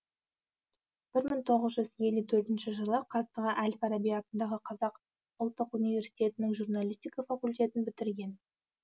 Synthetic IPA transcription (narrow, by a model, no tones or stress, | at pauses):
b̥ɪɾməɴt̪ʰo̞ʁəzʒʏzje̞lːut̪ʰɵɾt̪ɪnʃɪʒəlˠəqʰɑt̪əʁəʔælʲfɑɾabʲijɑt̪ənd̪ɑʁəqʰɑzɑq | ʊlˠt̪ːəqunijvʲe̞ɾsi̥t̪e̞t̪ɪnɪŋʒurnalʲijst̪ijkafakulʲt̪ʲe̞t̪ɪnbɪt̪ɪɾɡʲe̞n